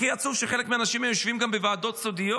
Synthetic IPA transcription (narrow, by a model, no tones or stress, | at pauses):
iat͡suvʃeχelekmeanaʃimːajuʃvimɡambevaːd̪o̞t̪sod̪ijo